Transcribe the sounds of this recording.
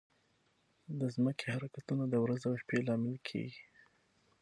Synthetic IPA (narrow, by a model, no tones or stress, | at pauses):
d̪əzməkʰehaɾakat̪unad̪əwɾazawʃpelɑmɪlkʰḛɡi